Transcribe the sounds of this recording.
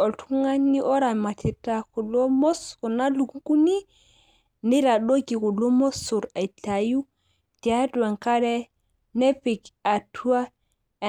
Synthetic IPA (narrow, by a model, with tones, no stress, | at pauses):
o˨ltʰu˦ŋa˦nːi˦ʔo˦ɾa˨ma˨ti˨ta˨ku˨lo˦mo˦sku˨na˦lu˨ɡu˦ku˦ni˦ | ni˦ɾa˨ɗo˦ɡi˨ku˨lo˦mo˦su˨ɾa˨i˨ta˨ju˦ | ti˨a˦du˨wa˨ŋka˦ɾe˦ | ne˦pi˨ka˨tʰu˦a˦˨